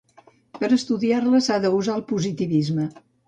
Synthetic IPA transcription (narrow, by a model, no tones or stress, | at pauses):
pəɾəst̪uðiarləsaðəuzalˠpuzit̪iβizmə